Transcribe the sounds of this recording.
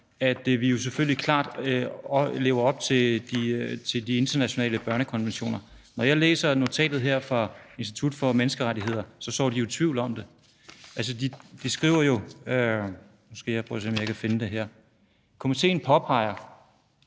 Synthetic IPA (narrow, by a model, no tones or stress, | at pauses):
æd̥ʋijo̝s̬eføl̰jlikʰlɑ̰̈ːd̥ | le̝ːʊɐɒ̽b̥̚t͡sʰe̝d̥it͡sʰe̝ldie̝nd̥ɐnæɕo̝nɛ̰ːləb̥ɶɐnəkʰɒ̽nʋenɕo̝̰ːnɐnɒjɑ̈ɪlḛːsɐno̝t͡sʰɛ̰ːd̥ð̩ˠɦeɐ̰fʁɑ̈e̝nsd̥i̥t͡sʰud̥fɒ̽menəsɡ̥əʁadiɦe̝ð̞̰ˠɐsɒ̽sɒ̰ːd̥ijo̝t͡sʰʋiʊ̰lɒ̽md̥e̝ | æls̬əd̥id̥isɡ̥ʁḭʊ̰ɐjo̝ø | mosɡ̥e̝̰ːjapʰɔsemjɑ̈ɪkʰæfe̝nəd̥e̝ɦeɐ̰ | kʰomit͡sʰe̝̰ːn̩pʰɒ̽pʰɑ̈ɪ̰ɐ